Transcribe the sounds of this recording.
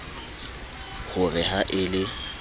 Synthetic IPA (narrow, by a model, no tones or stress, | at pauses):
hʊrɪhaʔɪlɪ